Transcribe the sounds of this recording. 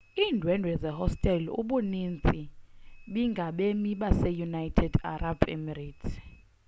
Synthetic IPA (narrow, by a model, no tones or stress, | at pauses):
iːndʱwɛndʱwɛzɛhɔstʼɛlṵɓunint͡sʼiɓiŋɡʱaɓemiɓasɛjunajtʰɛda̰rabɛ̰mɛɾitʰ